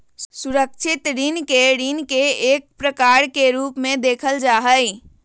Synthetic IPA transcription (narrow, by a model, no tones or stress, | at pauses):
suɾəkʃʰɪt̪ɾinkeɾinkeeːk̚pɾəkaːɾkeɾuːpmẽd̪eːkʰəld͡ʒaːɦəj